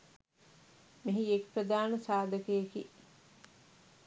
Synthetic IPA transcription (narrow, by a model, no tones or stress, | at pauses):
miɦiekpɾɐd̪aːnɐsaːd̪ɐkejeki